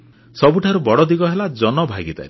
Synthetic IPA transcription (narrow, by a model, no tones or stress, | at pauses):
sɔbuʈʰaɾubɔɽɔd̪iɡɔɦelad͡ʒɔnɔbʱaɡit̪a̰ɾi